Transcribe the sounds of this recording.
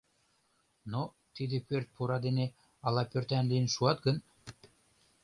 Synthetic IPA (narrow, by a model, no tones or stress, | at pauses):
no | t̪id̪epørt̪̚puɾɑd̪ene | ɑlɑpørt̪ænlijənʃuɑt̪ɡən